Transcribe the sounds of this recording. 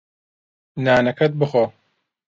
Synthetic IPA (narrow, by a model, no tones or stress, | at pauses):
naːnɐkʰɐt̪̚bɨxoː